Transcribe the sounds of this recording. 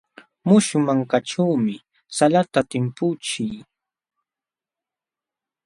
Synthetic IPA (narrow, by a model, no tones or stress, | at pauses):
mʊʃʊmaŋkaʈ͡ʂawmɪ | salat̪at̪ɪmpʊt͡ʃɪj